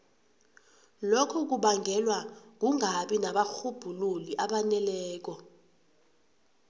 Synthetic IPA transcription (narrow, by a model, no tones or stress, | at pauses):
lokʰɔk̬uɓaŋʱɛlwaŋuŋaɓinaɓaxub̥ʱululiʔaɓanɛlɛːk̬ɔ